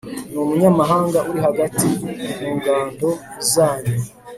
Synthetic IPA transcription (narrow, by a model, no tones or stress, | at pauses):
numuɲamaɦaːŋɡaʔuɾiɦaɡatimuːŋɡaːndo̞ | zaːɲe